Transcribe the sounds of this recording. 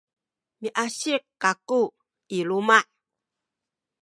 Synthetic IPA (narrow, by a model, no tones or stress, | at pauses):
miʔaɕikːaku | ilumaʔ